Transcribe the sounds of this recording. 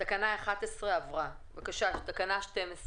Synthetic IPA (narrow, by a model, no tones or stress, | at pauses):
takanaeχat̪esʁeavʁavakaʃaʃt̪akanaʃtemes